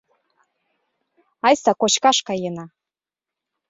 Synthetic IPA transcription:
ɑjsɑkot͡ɕkɑʃkɑjenɑ

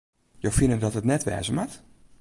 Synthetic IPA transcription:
jowfinədɔtətnɛtʋɛ̰ːzəmat

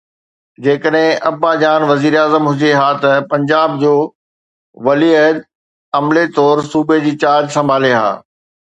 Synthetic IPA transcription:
d͡ʑeːkəɗɦɪ̃ʔɐbad͡ʑaːnʋɐziːɾeaːzəmɦʊd͡ʑeɦaːt̪ɐpɐ̃ɲd͡ʑaːb̚d͡ʑoː | ʋɐliəd̪ | ɐmlet̪ɔːɾsuːbed͡ʑiːt͡ɕaːd͡ʑsɐ̃mbʱaːleɦa̰ː

